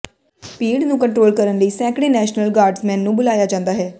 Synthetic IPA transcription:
piːɽnũːkəɳʈɾoːlkəɾənləiːsɛ̃ːkɽeːnɛːʃnəlɡaːɾɖsmɛ̃ːnːũːbʊlaːjaːd͡ʒãːnd̪aːɦɛː

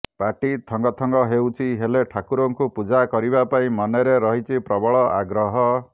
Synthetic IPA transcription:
paʈit̪ʰɔŋɡɔt̪ʰɔŋɡɔɦewt͡ʃʰiɦeleʈʰakuɾɔŋkupud͡ʒakɔɾibapaĩmɔnɔɾeɾɔɦit͡ʃʰipɾɔbɔɭɔʔaɡɾɔɦɔ

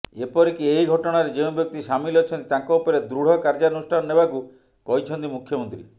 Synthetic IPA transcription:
epɔɾikieiɡʱɔʈɔɽ̃aɾed͡ʒew̃mbjɔk̚t̪iʃamilɔt͡ʃʰɔnt̪i̥t̪ãkɔupɔɾed̪ɾuɽ̤ɔkaɾd͡ʒanusʈʰanɔnebaku | kɔɦit͡ʃʰɔnt̪imukʰjɔmɔnt̪ɾḭ

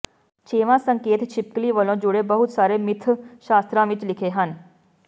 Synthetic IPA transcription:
t͡ʃeːʋãːsə̃ŋkeːt̪t͡ʃʰɪp̚kliʋəlõːd͡ʒʊɽebəɦʊt̪saːɾemɪt̪ʰʃaːst̪ɾãːʋɪt͡ʃlɪkʰeɦən

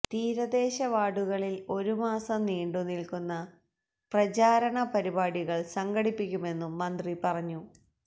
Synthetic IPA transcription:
t̪iːɾɐd̪e̞ːɕɐʋaːɽuɣɐɭilo̞ɾumaːsɐmniːɳɖunilkunːɐ | prɐt͡ɕaːɾɐɳɐpɐɾibaːɽiɣɐɭsɐŋɡɐɽipːikʲːume̞nːumːɐnd̪ripɐrɐɲːu

